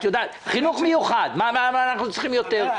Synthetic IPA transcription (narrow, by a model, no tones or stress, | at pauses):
joda | χɪnuχmɪjuχadmamamanaχnut͡sχimjɔtɛʁ